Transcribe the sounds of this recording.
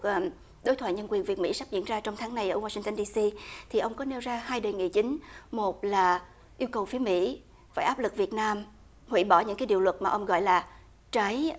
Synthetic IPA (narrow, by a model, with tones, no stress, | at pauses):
ʔː | ɗo˨˦jt̪ʰwa̰ː˧˨ɲə˧nkwi˨˩ənvi˨˩ət̚mḭ˧˥sa˦˥p̚zḭ˧˥ənzaː˧t͡ɕɔ˧wŋ͡mt̪ʰaː˨˦ŋna˨˩jʔəː˧˩waː˧si˧ŋt̪ə˧nɗi˧si˧t̪ʰi˨˩ʔə˧wŋ͡mkɔ˨˦ne˧wzaː˧haː˧jɗəː˨˩jŋḭ˧˨t͡ɕï˨˦ŋ̟mo˨˩t̚laː˨˩ | ʔi˧əwkə˨˩wfi˨˦əmḭ˧˥ | fa̰ː˧˩jʔaː˦˥p̚lɨ˨˩k̚vi˨˩ət̚naː˧m | hwḭ˧˥ɓɔ˧˩ɲɨ̰˧˥ŋkaː˨˦jɗḭ˨˧˩wlwə˨˩t̚maː˨˩ʔə˧wŋ͡mɣɔ̰˧˨jlaː˨˩ | t͡ɕa˨˦j